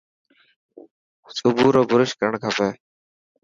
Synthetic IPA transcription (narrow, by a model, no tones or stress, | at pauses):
sʊbuːɾoːbʊɾɪʃkəɾəɳkʰaːpɛː